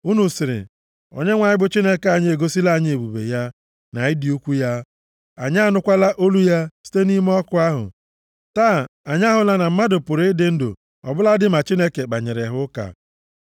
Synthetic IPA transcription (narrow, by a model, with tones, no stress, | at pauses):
u˦nu˨sɪ˨ɾɪ̰˨ | o̰˨ɲe˦ŋʷa˨ɲɪ˦bʊ˦t͡ʃi˦ne˦ke˨a˨ɲ˦e˨ɡo˦si˦la˦˨ɲ˦e˨bu˨bḛ˨ja˦ | na˨˦ɪ˦di˨u˦kʷu˦ja˦ | a̰˨ɲ˦a˦˨nʊ˦kʷa˦la˦ʔo˦lu˦ja˦si̥˦te˦ni˦m˦ɔ˦kʊ˦a˦ɦʊ̰˨ | taː˦˨a˨ɲ˦a˦ɦʊ˨la˨na˨m̩˦ma˦dʊ˨pʊ˨ɾɪ˦dɪ˦n̩˦dʊ̰˨ | ɔ̰˨bʊ˦la˦dɪ˦ma˨t͡ʃi˦ne˦ke˨k͡pa˨ɲe˨ɾe˨ɦʊ˦ka̰˨